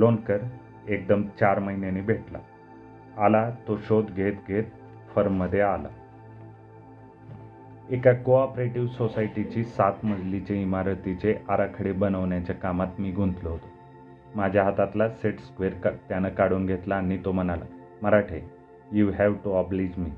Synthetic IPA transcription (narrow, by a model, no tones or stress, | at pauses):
lonkəɾ | ek̚d̪əmt͡ɕaɾməɦinenebʱeʈla̰ː | lat̪oɕod̪ɡʱet̪ɡʱet̪̚ | fəɾmːəd̪ʱːjeala̰ | ekakoɔpɾeʈiʋsosaiʈit͡ɕiːsat̪məd͡zʱlit͡ɕeimaɾət̪it͡ɕeʔaɾakʰəɽebənəʋɳjat͡ɕjakamat̪miːɡʱũnt̪ləɦot̪o̥ | mad͡ʑʱjaɦat̪at̪laseʈskʋeɾkt̪janəkaɽuːnɡʱet̪laːnit̪om̤ənala̰ | məɾaʈʰe | juɦɛʋʈuɔblid͡ʑmiː